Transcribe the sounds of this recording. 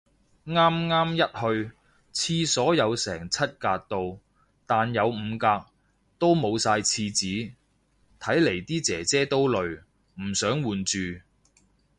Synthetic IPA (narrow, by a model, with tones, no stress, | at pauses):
ŋaː˥mŋaː˥mjɐ˥t̚hɵ˧ɥ | t͡sʰiː˧sɔː˨˥jɐ˨˧wsɛ̰ː˨˩ŋt͡sʰɐ˥t̚kaː˧k̚t̪o˨˧w | t̪aː˨njɐ˨˧wm̩ː˨˧kaː˧k̚ | t̪o˥wmo˨˧wsaː˧jt͡sʰiː˧t͡siː˨˥ | t̪ʰɐ˨˥jle˨˩jt̪iː˥t͡sɛː˨˩t͡sɛː˥t̪o˥wlɵ˨ɥ | m̩˨˩sœː˨˥ŋwuː˨nt͡ʃyː˨